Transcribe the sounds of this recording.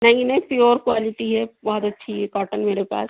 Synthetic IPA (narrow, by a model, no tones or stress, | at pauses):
nɐɦĩnɐĩpioːɾkwaːlɪʈiɦɛbɔɦɔt̪ɐtːʃʰiɦɛkaːʈənmeːɾepa̰ːs